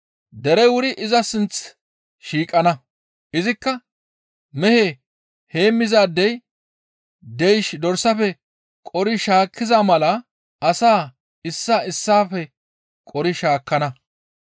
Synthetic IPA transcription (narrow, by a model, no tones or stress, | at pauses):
d̪ɛɾɛwʊɾɪʔɪzɐsɪnt͡s | ʃiːkʼɐnɐ | ʔɪzɪkːɐ | mɛhe | he̞ːmːɪzaːd̪ːɛj | d̪ɛjʃd̪ɔɾsɐfɛ | kʼɔɾɪʃaːkːɪzamɐlɐ | ɐsaː | ɪsːaɪsːaːfɛ | kʼɔɾɪʃaːkːɐnɐ